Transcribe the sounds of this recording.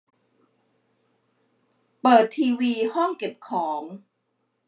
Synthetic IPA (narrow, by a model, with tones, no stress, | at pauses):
pɤː˨˩t̪ʰːiː˧wiː˧hɔ˥˩ŋke˨˩p̚kʰɔː˩˦ŋ